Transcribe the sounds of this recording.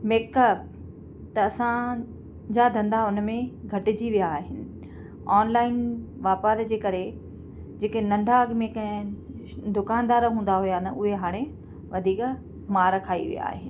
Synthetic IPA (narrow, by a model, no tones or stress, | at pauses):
meːkəp̚ | t̪ɐɐsã | d͡ʑad̪ʱɐ̃nd̪aʊnəmẽɡʱɐʈɪd͡ʑiʋijaːɦɪnɪ̆ | ɔːnlaːɪnʋaːpaːɾd͡ʑeːkɐɾe | d͡ʑeːkenɐ̃ɳɖʱaɡmẽk | d̪ʊkaːnd̪aːɾɦũːn̆d̪aɦʊjanɐʔʊɦeɦaːɽ̃e | ʋɐd̪ʱiːk | maːɾkʰaːḭʋḭja̰ːɦɪnɪ̆